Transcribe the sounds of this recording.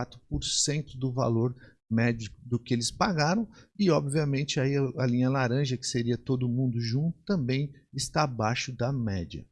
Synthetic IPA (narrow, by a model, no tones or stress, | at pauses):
at̪ɾʊpoɾsẽnt̪ʊd̪ʊva̰loɾ | mɛd͡ʒikʊd̪ʊkɪelɪspaɡaɾɐ̃w̃ɪɔbviɐmẽnt͡ʃɪaiɐlĩɲɐlaɾɐ̃ʒɐkɪ̥seɾiɐt̪od̪ʊmũnd̪ʊʒũnt̪ʊ̥t̪ɐ̃mbẽj̃ | ɪst̪abajʃʊd̪ɐmɛd͡ʒɐ̰